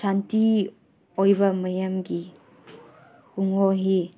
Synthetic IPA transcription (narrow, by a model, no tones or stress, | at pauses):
santi | ojbɐmɐjɐmɡi | huŋoɦi